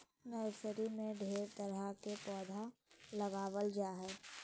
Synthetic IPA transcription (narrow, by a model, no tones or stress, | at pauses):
nəwsəɾimẽɖʱeːɾt̪əɾəkepɔːd̪ʱalɐɡaːʋəld͡ʒaːɦɛ